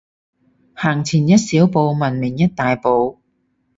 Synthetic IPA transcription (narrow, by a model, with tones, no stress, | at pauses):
haː˨˩ŋt͡sʰiː˨˩njɐ˥t̚siː˨˥wpo˨˧wmɐ˨˩nmɪ˨˩ŋjɐ˥t̚t̪aː˨jpo˨˧w